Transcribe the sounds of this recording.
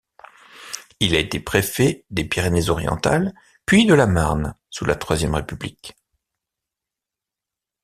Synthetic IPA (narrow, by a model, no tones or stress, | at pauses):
ilaet̪epχefed̪epiʁenɛzɔʁjɑ̰̃t̪a̰l | pɥid̪əlamaʁn | sulʔat̪χwazjɛmʁepyblik